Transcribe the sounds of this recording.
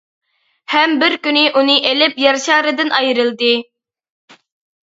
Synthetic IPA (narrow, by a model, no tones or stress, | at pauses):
hɛmbɪɾkʲynɪʔunɨʔelɪpjɑɾʃɑːɾɨd̪ɨnʔɑjɾɨlˠd̪ɨ